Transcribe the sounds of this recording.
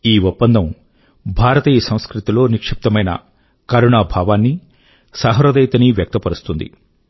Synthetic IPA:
iːʋupːɐnd̪ʱɐm | bʱaːɾɐt̪iːjɐsɐ̃mskɾut̪ilo̞ːnikʂip̚t̪ɐmɐjnɐ̰ | kɐɾuɳaːbʱaːʋaːnːi | saːɦɐɾɐd̪ɐjt̪ɐniːʋjɐk̚t̪ɐpɐɾust̪und̪ḭ

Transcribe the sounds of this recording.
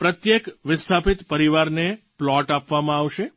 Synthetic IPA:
pɾət̪jekʋɪst̪ʰapɪt̪pəɾiʋaɾne | plɔʈapʋamãaʋʃe

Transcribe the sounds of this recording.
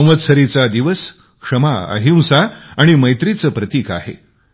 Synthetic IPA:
ʋət̪səɾit͡sad̪iʋəs | kʂəmaə̰ɦiw̃saaɽ̃iməjt̪ɾit͡səpɾət̪iːka̰ɦḛ

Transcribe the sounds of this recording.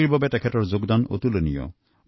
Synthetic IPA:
iɹbabɛtɛkʰɛtɔɹzoɡd̪ano̰t̪ulonijɔ̰

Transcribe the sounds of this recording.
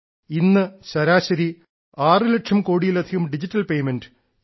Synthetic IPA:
inːɨɕɐɾaːɕɐɾi | aːrɨleʈʂɐmko̞ːɽijilɐd̪ʱiɣɐmɖid͡ʑitːɐlpe̞jmenɖɨ̥

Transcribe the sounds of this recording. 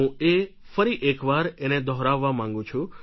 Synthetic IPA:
ũe | fəɾiʔekʋaɾened̪ʱɔɦɾaʋːamãŋɡũt͡ʃʰũ

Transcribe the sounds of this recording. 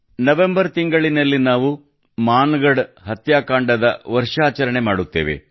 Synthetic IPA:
nɐʋembɐɾt̪iŋɡɐɭinɐlːinaːʋu | maːnɡɐɽɦɐt̪jaːkaːɳɖɐd̪ɐʋɐɾʂaːt͡ʃɐɾɐɳemaːɽut̪ːe̞̰ːʋe̞̰

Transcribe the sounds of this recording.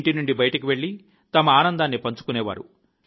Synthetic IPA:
ʈinuɳɖibɐjɐʈɐkiʋe̞ɭːi | t̪ɐmɐaːnɐnd̪aːnːipɐɲt͡ʃu̥kunɛːʋa̰ːɾu

